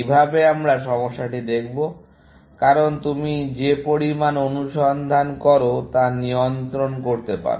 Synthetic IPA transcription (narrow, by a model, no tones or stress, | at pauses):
ibʱabeamɾaʃɔmoʃːaʈid̪ekʰbo | kaɾont̪umid͡ʑepoɾimanonuʃɔnd̪ʱankɔɾot̪anijont̪ɾonkoɾt̪epa̰ɾ